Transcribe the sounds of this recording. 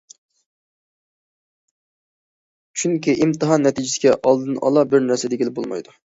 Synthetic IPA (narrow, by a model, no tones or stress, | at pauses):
t͡ʃʰyŋkʲiʔimt̪ɨɦɑnːɛt̪ʰid͡ʒɪsɪɡʲɛʔɑlˠd̪ɨnɑ̰lˠɑbɪɾnæɾsɛd̪eɡʲilɪbolˠmɑ̰jd̪u